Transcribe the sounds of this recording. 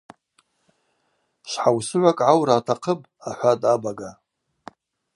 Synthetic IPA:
ʃʷħawsɨʕʷakʼʕawraːtʰaqʰəpʼaħʷadʼabaɡa

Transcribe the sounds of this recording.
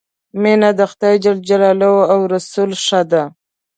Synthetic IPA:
menad̪axt̪ɑjd͡ʒald͡ʒalɑlowawɾasulʂad̪a

